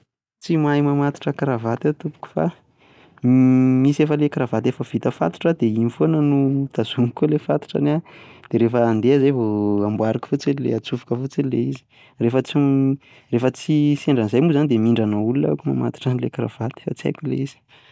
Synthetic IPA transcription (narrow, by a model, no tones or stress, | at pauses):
t͡simajmamat̪i̥ʈ͡ʂakɾavat̪at̪upu̥ku̥fa̰ | misefəlekɾavat̪efəv̥it̪əfa̰t̪i̥ʈ͡ʂəd̪einifoanənumit̪az̥uŋkolefat̪i̥ʈ͡ʂa̰nad̪̥eɾefəːnd̪eazajvoambwaɾaki̥fot͡sellḛat͡suvḁkəfot͡sillḛizi̥ | refət͡si | refət͡siseɳɖ͡ʐanzajmuzanid̪emiɳɖ͡ʐanauluna̰a̰kuma̰ma̰t̪i̥ʈ͡ʂanilekra̰v̥at̪efət͡sia̰jkʲulḛizi̥